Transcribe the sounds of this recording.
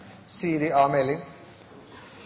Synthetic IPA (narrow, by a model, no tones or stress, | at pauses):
siːɾiaːmeli